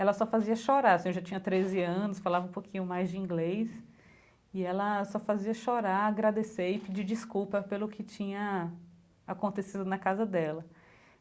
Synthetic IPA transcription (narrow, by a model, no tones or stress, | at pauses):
ɛlɐsɔfaziɐʃoɾaɾɐsĩewʒat͡ʃĩɲɐt̪ɾezɪɐ̃nʊsfalavɐũpokʰĩɲʊmajzd͡ʒɪĩɡlejs | ɪɛlɐsɔfaziɐʃoɾaɾaɡɾad̪eseɪpid͡ʒid͡ʒiskuwpɐpelʊkʰɪt͡ʃĩɲɐ | akõnt̪esid̪ʊnɐkazɐd̪ɛlɐ